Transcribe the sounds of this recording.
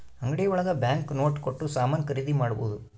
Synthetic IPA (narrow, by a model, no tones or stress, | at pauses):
ɐŋɡɐɽijɐʋuɭɐɡ̪ɐbjaːŋkno̞ːʈkoʈːusaːmɐːnkɐɾid̪imaːɽuboːd̪u